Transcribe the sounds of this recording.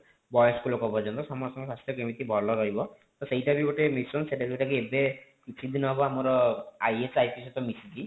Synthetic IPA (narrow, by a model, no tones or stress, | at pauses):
bɔjɔskulokɔpɔɾd͡ʒɔnt̪ɔsamɔsɔŋɡɔswast̪ʰjɔkemit̪ibʱɔlɔɾɔɦibɔ | t̪ɔseɦjʈabiɡɔʈemisɔnseʈabiʈakiebe | it͡ʃʰid̪inɔɦbɔamɔɾɔajesajpʰisɔt̪ɔmisid̪i